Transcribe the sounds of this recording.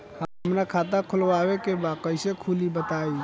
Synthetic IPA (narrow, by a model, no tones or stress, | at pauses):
həɦəmɾakʰat̪̬ãkʰulʋabekebakəɪsekʰulibət̪ai